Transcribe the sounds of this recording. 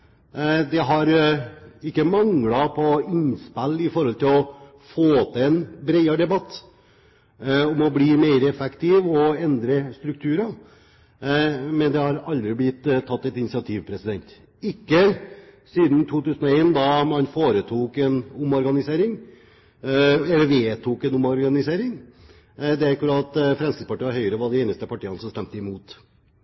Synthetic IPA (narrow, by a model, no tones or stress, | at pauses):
d̪ɛɦɑɾ | ɪkːəmɑŋlɑpʰɔɪnspælːɪfɔɾhɔlt̪ʰɪlɔ | foːt̪ʰəɛnbɾeɪɑɾɖ̪ɛbɑt̪ː | ɔmɔbliːmeɪɾəɛfɛkt̪ɪʋɔɛnd̪ɾəst̪ɾʉk̚t̪ʰʉːɾɑ | mɛnd̪ɛhɑɾɑld̪ɾɪblɪt̪ːt̪ʰːɑt̪ːɛt̪ɪnɪsɪɑt̪ʰiːʋpʰɾɛsɪd̪ɛnt̪ | ɪkːəsiːd̪n̩t̪ʰuːt̪ʉːsənɔeːnd̪ɑmɑnfoːɾət̪ʰuːkɛnʊmɔɾɡɑnɪseːɾɪŋ | ɛlːəɾʋeːt̪ʰuːkɛnʊmɔɾɡɑnɪseːɾɪŋ | d̪ɛæɾkʉɾɑt̪fɾɛmskɪspʰɑʈiːɑɦœʏəɾəʋɑɖɛneːnəst̪əpɑʈiːɑnəsɔmst̪ɛmt̪əɪmuːt̪